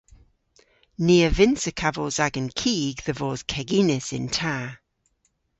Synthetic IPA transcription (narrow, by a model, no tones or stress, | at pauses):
niːəvɪnsəkʰavɔzaɡə̃nkʰiːɡðəvɔːz̥kʰɛɡiːnɪsɪ̰̃ntʰaː